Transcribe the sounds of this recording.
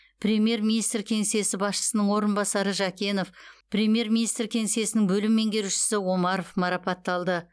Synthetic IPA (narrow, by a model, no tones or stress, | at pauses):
prʲe̞mije̞ɾmʲinijst̪rkʲʰe̞ŋese̞sɪbɑsʃə̥sənəɴwo̞ɾənbɑsɑɾəʒɑkʲe̞no̞fpɾʲe̞mʲije̞ɾmʲinijst̪rkʲʰe̞ŋese̞sɪnɪŋbɵlɪmːe̞ŋɡʲe̞ɾuʃɪ̥sɪwo̞mɑɾo̞fmɑɾɑpɑt̪ːɑlˠd̪ə